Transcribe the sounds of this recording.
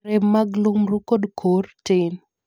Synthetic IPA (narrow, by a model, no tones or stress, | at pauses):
ɛmːaɡlumɾukodkʰortɪn